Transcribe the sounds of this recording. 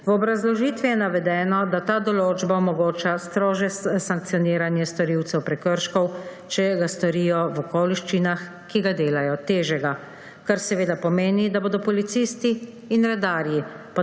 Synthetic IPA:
wɔbɾazlɔʒiːt̪ʋijɛnaʋɛd̪ɛːnɔd̪at̪aːd̪ɔloːd͡ʒbaɔmɔɡoːt͡ʃast̪ɾoːʒɛssaŋk̚t̪sijɔniːɾanjɛst̪ɔɾiwt̪sɛwpɾɛkəɾʃkɔw | t͡ʃɛɡast̪ɔɾijɔʋɔkoːliʃt͡ʃinax | kiɡad̪eːlajɔt̪eːʒɛɡa | kaɾsɛʋeːd̪apɔmeːnid̪aboːd̪ɔpɔlit̪sist̪iː | nɾɛd̪aːɾji | pa

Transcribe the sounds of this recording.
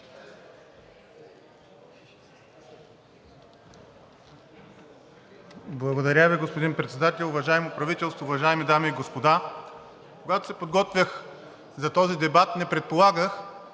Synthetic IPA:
blˠɐɡod̪ɐɾʲjaviɡospod̪inpɾɛt̪sɛd̪at̪ɛlʲˠʊvɐʒaɛmopɾɐvit̪ɛlˠst̪voːvɐʒaɛmid̪amiːɡospod̪a | koɡat̪o̥sɛpod̪ɡɔt̪vʲjəx | zɐt̪ɔzid̪ɛbat̪nɛpɾɛt̪̚polˠaɡəx

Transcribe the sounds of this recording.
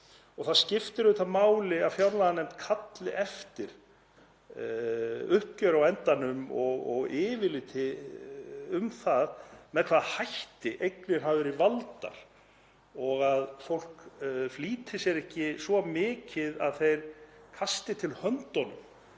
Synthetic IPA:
ɔɣθaðscɪft̪ɪɾʏt̪amaːwlɪavfjawɾlaðanɛmt̪kʰat̪lɪʔɛft̪ɪɾ̥ | ʏhp̚cœɾawɛnt̪anʏmɔɣɔɣɪːvɪlɪt̪ʰɪ | ʏmθaðmɛðkʰvaðhajht̪ɪʔejknɪɾ̥ɦawvʏɾivalt̪a̰ɾ̥ | ɔɣaðfowl̥kfliːt̪ʰɪsjɛɾɛhcɪsvɔmɪːcɪðaðθejɾ̥kʰast̪ɪt̪ʰɪlhœnt̪ɔnʏm

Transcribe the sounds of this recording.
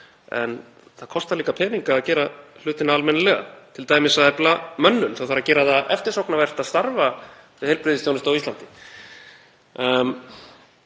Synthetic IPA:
ɛ̰n | θaðkʰɔst̪aliːkapʰɛːniŋkaːðcɛːɾal̥ʏːt̪ɪnaalmɛnalɛːɣa̰t̪ʰɪlt̪aːjmɪsaðɛplamœnːʏnθawθaɾːacɛːɾaðaɛft̪ɪɾ̥sowknavɛr̥t̪aðst̪aɾvavɪðhejlpɾɪðɪst̪jownɪst̪awist̪ant̪ɪ̥

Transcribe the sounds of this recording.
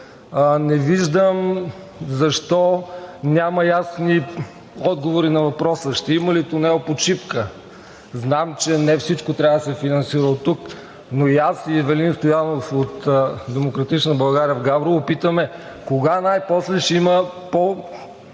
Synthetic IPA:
nɛviʒd̪əm | zɐʃt̪ɔnʲamɐjasni | ɔd̪̚ɡovoɾinɐvɐpɾɔsəʃt̪ɛiməlit̪ʊnɛopot͡ʃipkə | znamt͡ʃɛnɛfsit͡ʃkot̪ɾʲavəd̪ɐsɛfinɐnsiɾəlˠt̪ːuk | noijasivɛlinst̪ojanofot̪d̪ɛmokɾɐt̪it͡ʃnəbɐlˠɡaɾiəvɡabɾovəpit̪əmɛ | koɡanajpɔslɛʃɛimə | po

